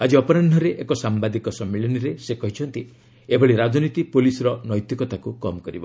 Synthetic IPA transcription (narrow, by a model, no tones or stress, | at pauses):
ad͡ʒiɔpɔɾnanɖʱɔɾeʔekɔsambad̪ikɔsɔmːilɔniɾesekɔɦit͡ʃʰɔnt̪i | ebɔɭiɾad͡ʒɔnit̪ipolisɔɾɔnɔjt̪jikɔt̪akukɔmɔkɔɾḭbɔ̰